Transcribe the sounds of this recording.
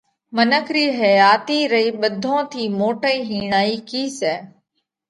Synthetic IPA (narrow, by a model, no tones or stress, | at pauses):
mənəkʰɾiːɦəjaːt̪iːɾəiːɓəd̪ʱõːt̪ʰiːmoːʈəiːɦiːɳaːiːkiːsɛː